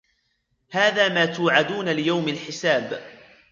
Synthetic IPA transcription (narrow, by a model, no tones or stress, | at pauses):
haːðaːmaːt̪uːʕad̪uːnalɪjawmalħɪsaːb